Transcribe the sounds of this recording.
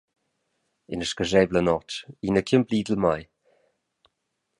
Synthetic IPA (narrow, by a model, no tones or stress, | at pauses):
ɪnəʃkəʒɛvlənɔt͡ʃiːnəkʰəmbliːdəlmaj